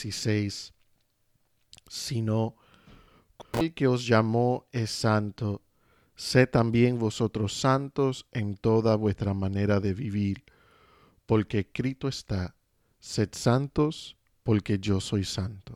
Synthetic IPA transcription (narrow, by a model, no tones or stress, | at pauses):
sisejs | ino | kelke̞o̞zʝamo̞esːant̪o | se̞ambje̞ŋβo̞so̞t̪ɾo̞sːant̪o̞se̞nt̪o̞ðaβwe̞st̪ɾamãne̞ɾaðe̞βiβiɾ | po̞ɾke̞kɾit̪oest̪a | se̞t̪sant̪o̞s | po̞ɾke̞ʝo̞so̞jsant̪o